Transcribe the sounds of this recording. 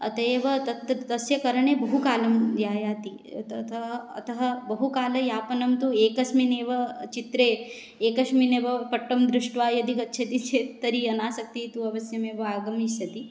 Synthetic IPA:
ɐ̰t̪ɐeːʋɐt̪ɐt̪t̪ɐsjɐkɐɾɐɳeːbɐɦukaːlɐmd̪jaːjaːt̪i | t̪ɐt̪ʰɐɦɐ̰t̪ɐɦɐbɐɦukaːlɐjaːpɐnɐmt̪ueːkɐsmineːʋɐt͡ʃit̪ɾeː | eːkɐʃmineːʋɐpɐʈːɐmd̪ɾuʂʈʋaːjɐd̪ikɐtːʃʰɐt̪it͡ʃʰeːt̪ɐɾiɐnaːsɐk̚t̪it̪uɐʋɐsjɐmeːʋɐaːɡɐmiʃjɐt̪i

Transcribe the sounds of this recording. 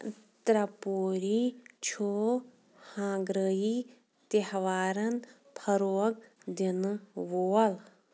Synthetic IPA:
t̪ɾɐpoːɾit͡ʃʰoː | hãːɡɾəji | t̪ehʋaːɾɐn | pʰɐɾoːɡd̪inʋoːɐl

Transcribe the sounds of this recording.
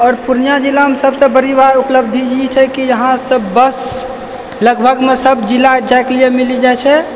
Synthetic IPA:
ɔːɾpuɾnjad͡ʒilːaɦmsəbsə̃bəɾibaɾupləb̚d̪ʱid͡ʒit͡ʃʰɛkid͡ʒəɦãsəbbəs | ləɡbʱəɡmesəbd͡ʒilːad͡ʒajklijemilid͡ʒajt͡ʃʰɛ

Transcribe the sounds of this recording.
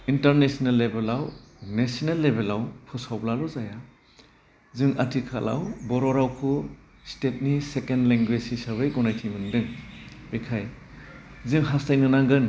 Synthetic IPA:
intɐɾnesnelːebelawnesinelːebelawpʰusawblalɔzaja | zɯŋa̰tʰikʰa̰la̰wbɔɾɔɾawkʰu | stet̚nisekendleŋɡwesisabɯjɡɔnajtʰimɯndɯŋbekʰaj | zɯŋɦastajnɯnaŋɡɯn

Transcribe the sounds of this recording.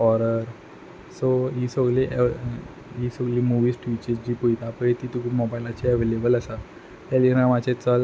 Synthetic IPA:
ɔɾəɾ | soɦiːsəɡliʔ | ɦiːsəɡliːmuʋiːsʈʋit͡ɕəd͡ʑiːpujt̪apəet̪iːt̪ukʰumɔbajlat͡ɕiəʋelebələsa | t̪jaliɾamat͡ɕet͡səl

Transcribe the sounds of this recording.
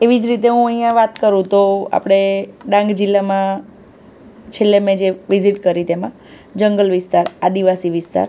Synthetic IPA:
eʋid͡ʒɾit̪eɦũəɦjãʋat̪kəɾũt̪oa̰pɽ̃eɖãŋɡd͡ʒilːamã | t͡ʃʰelːemẽd͡ʒeʋiziʈkəɾit̪emã | d͡ʒəŋɡəlʋɪst̪aɾad̪iʋasiʋɪst̪a̰ɾ

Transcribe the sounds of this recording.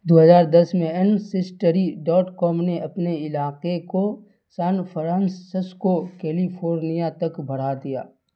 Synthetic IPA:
d̪oːɦəzaːɾd̪ɐsmẽənsɪsʈəɾiɖɔːʈkɔːmneʔɐpneɪlaːqeko | saːnpʰəɾãːnsːɪskokɛːlipʰoːɾnijat̪ɐkbʱɐɽ̤ad̪ija̰ː

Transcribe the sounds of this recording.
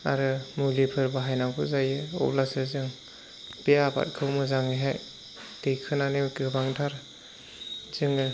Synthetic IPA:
aɾɯmulipʰɯɾbaɦajnawɡʰɯzajɯɔ̰lasɯzɯŋ | b̥ejaba̰t̚kʰɯwmɯzaŋɯjɦaj | dɯjkʰɯnanemkɯbaŋdʰaɾ | zɯŋɯ

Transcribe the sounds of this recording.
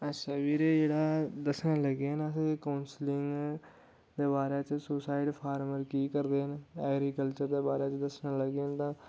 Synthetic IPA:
əsəʋiːɾeːd͡ʒeːɽaːd̪əsnaːləɡenəsẽːkaːnslɪ̃ŋɡ | d̪eːbaːɾeːt͡ʃəsʊsaːɪɖpʰaːɾməɾkiːkəɾd̪eːɦənɛːɡɾiːkəlt͡ʃəɾd̪eːbaːɾeːt͡ʃəd̪əsnaːləɡent̪ãː

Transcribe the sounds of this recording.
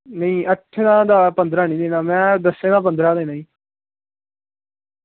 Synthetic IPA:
nəĩːʔəʈʰːed̪ãːd̪aːpənd̪ɾaːnĩːd̪ẽːnaːmɛ̃ːd̪əsẽːd̪aːp̬ənd̪ɾaːd̪ẽːnaːĩː

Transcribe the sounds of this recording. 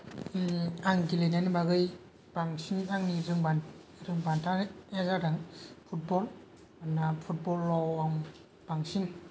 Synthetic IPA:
aŋɡilenanbaɡɯj | b̥aŋsinaŋniɾɯŋban | ɾɯŋbantʰaɛzadaŋpʰut̚bɔl | anːapʰut̚bɔlːɔwaŋ | b̥aŋsin

